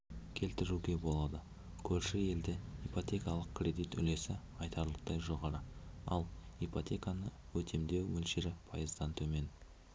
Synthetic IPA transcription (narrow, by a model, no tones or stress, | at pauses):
kʲʰe̞lt̪ɪɾuɡʲe̞bo̞lˠɑd̪ə | kʲʰɵɾʃɪje̞ld̪ɪipot̪ʲe̞kɑlˠəq̚krʲe̞d̪ijt̪ʏ̰le̞sɪ | ɑjt̪ʰɑɾlˠəq̚t̪ɑjʒo̞ʁɑɾəɑ̰lˠipot̪ʲe̞kanə | wɵt̪ʰe̞md̪e̞wmɵlʃe̞ɾɪpʰɑjəzd̪ɑnt̪ʰɵme̞n